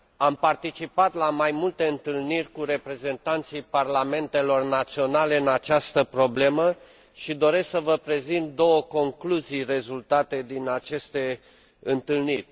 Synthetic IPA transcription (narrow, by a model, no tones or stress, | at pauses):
ampart̪it͡ʃipat̪lamajmult̪e̞ɨnt̪ɨlnirʲkuɾe̞pɾe̞ze̞nt̪ant̪sijparlame̞nt̪e̞lo̞rnat̪sio̞nale̞ɨnat͡ʃast̪əpɾo̞ble̞mə | ʃid̪o̞ɾe̞ssəvəpɾe̞zint̪̚d̪o̞wəko̞ŋkluzijre̞zult̪at̪e̞d̪inat͡ʃe̞st̪e̞ | ɨnt̪ɨlnirʲ